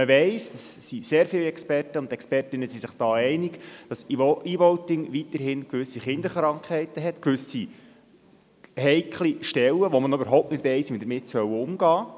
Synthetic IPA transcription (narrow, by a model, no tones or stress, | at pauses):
məʋɛɪsd̥ɑsːiseːɾfɪlɛkspɛrtəʊntɛkspɛrtɪnəsisɪχd̥ɑːɛɪnɪɡd̥ɑsiːʋɔʊtɪŋʋit̪əɾɦɪnkʋʏsːiχɪnd̪əɾχɾɑŋkχɛɪtəɦɛtkʋʏsi | hɛɪkʰliʃtɛlːəʋɔmənybəɾɦoʊp̚nɪtʋɛɪsʋimdəmɪtsœwəʊmɡɑː